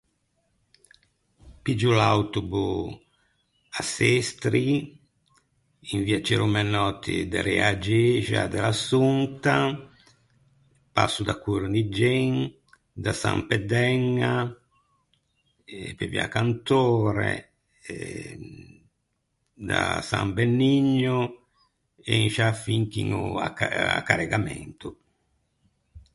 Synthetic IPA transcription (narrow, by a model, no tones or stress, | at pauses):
pid͡ʒulawt̪ubu | asest̪ɾi | iɱviat͡ʃɛɾumɛnɔt̪ʰid̪ɛɾɛad͡ʒeʒa̰d̪ɛlasunt̪a | pa̰sud̪akuɾnid͡ʒeŋ | d̪asa̰mpɛd̪ɛŋːa | pevḭa̰kant̪oːɾɛ̰ | d̪asa̰mbɛnːiɲːu | ɛinʃafiŋkiŋuaaa̰kːaɾɛɡamɛ̰nt̪u